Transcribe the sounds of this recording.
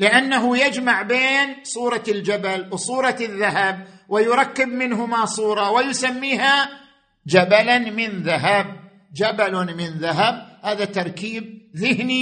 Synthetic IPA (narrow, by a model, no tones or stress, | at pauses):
lɪʔanːaɦʊjad͡ʒmaʕbeːnsˤuːɾˤɑld͡ʒabalwsˤuːɾˤɑðːaɦab̚wɪjʊɾˤɑkːɪbmɪnɦʊmasˤuːɾˤɑwɪjʊsamːiːɦa | d͡ʒabalamɪnðaɦab̚ | d͡ʒabalmɪnðaɦab̚haːðat̪ɑɾˤkiːb̚ðɪhni